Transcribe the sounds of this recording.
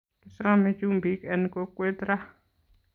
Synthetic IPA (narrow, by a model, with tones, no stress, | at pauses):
kɪ˨sa˦me˦t͡ʃu˦mbi˨˦kɛ˨nko˦kwe˦t̪ɾa˦